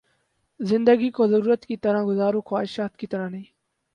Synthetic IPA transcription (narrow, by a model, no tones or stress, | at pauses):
zɪ̃nd̪əɡiːkoːzəɾuːɾət̪kit̪əɾãːɡʊzaːɾoːxwaːɪʃaːt̪kit̪əɾãːnəĩː